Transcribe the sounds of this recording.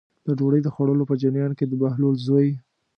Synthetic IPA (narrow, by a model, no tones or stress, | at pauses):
d̪̥əɖoɽəjd̪əxoɽəlopəd͡ʒanjɑnked̪əbahlolzoj